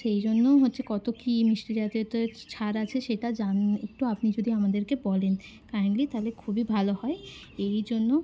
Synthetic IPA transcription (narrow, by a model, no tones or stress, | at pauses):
ʃejd͡ʑonːoɦotːɕʰekɔt̪okimiʃɾid͡ʑat̪iot̪at͡ɕʰaɾat͡ɕʰeʃeʈad͡ʑanḛk̚ʈuapnid͡ʑod̪iamad̪eɾkebɔlen | kajnlit̪alekʰubibʱalohɔe | ejd͡ʑonːo